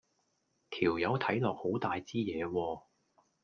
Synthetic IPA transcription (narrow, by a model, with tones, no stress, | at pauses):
t̪ʰiː˨˩wjɐ˨˧wt̪ʰɐ˨˥jlɔː˨k̚ho˨˥wt̪aː˨jt͡siː˥jɛː˨˧wɔː˧